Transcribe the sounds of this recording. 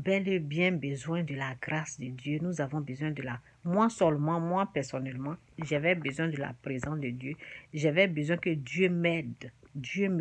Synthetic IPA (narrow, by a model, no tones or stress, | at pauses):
bɛlebjɛ̃bəzwɛ̃d̪əlaɡɾasd̪əd̪jønuzavɔ̃bəzwɛ̃d̪əla | mwasɛlmɑ̃mwapɛʁsɔnɛlmɑ̃ | ʒavɛbəzwɛ̃d̪əla̰pɾezɑ̃sd̪əd̪jøʒavɛbəzwɛ̃kəd̪jømɛd̪d̪jøm